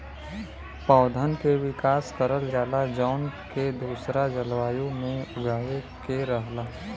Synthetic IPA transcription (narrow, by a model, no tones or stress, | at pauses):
pɔːʊd̪ʱənkeʋɪkaːskəɾəld͡ʒaːlad͡ʒɔːnked̪uːsɾad͡ʒəlʋaːjũmẽʊɡaːekeɾəɦlaː